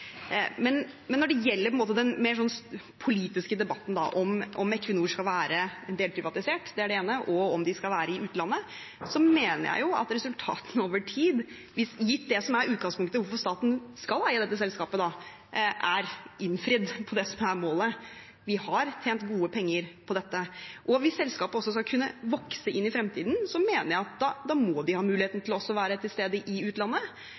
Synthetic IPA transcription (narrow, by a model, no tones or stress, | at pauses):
mɛn | mɛnːɔɖɛjɛlːəɾpɔɛnmoːt̪əd̪ɛnmeːɾʂɔnːs | pʰʊliːt̪ɪskəd̪ɛbɑt̪ːn̩d̪ɑ̰ʔɔmʔɔmɛkʰʋənuːʂkɑlʋæːɾəɛnd̪eːlpʰɾɪʋɑt̪ɪseːʈd̪ɛæɖɛeːnəʔɔɔmd̪ɪskɑlʋæːɾəɪʔʉːt̪əlɑnːə | sɔmeːnə̰jæ̰ɪjʊɑ̰t̪ɾɛsʉlt̪ʰɑ̰ːt̪n̩oːʋəʈʰiːd̪ | ʋɪsjɪt̪ːd̪ɛsɔmæɾʉːt̪̚ɡɑŋspʊŋkt̪əʋʊɾfɔɾʂst̪ɑːt̪n̩skɑlæəd̪ɛt̪ːəsɛlskɑːpəd̪ɑ | ʔæɾʔɪnːfɾɪd̪pʰɔd̪ɛsɔmæɾmoːlə | ʋɪhɑɾt̪ʰeːnt̪ɡuːəpʰɛŋːəɾpʰɔd̪ɛt̪ːəʔɔʋɪsːɛlskɑːpəɔsːɔskɑkʰʉnːəʋɔksəʔɪnːɪfɾɛmt̪ʰiːd̪n̩sɔmeːnəɾjæɪɑt̪̚d̪ɑd̪ɑmɔd̪ɪhɑːmʉːlɪeːt̪n̩t̪ʰɪlɔɔsːɔʋæːɾət̪ʰɪlst̪eːd̪əʔɪʉːt̪lɑnːə